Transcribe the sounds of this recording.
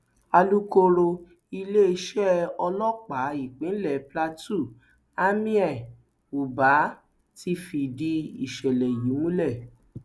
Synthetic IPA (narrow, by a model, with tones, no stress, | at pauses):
a˧lu˦ko˧ɾo˧ | i˧le˦e˧ʃɛ˦ɔ˧lɔ̃˦k͡pa˨˦i˦˨k͡pĩ˨˦lɛ˦˨pla˧tu˦˨ | a˦mĩ˦ɛ˦˨ | u˨ba˨˦ | ti˧˦fi˧di˧i˦˨ʃɛ˨lɛ˨ji˨˦mũ˦lɛ˦˨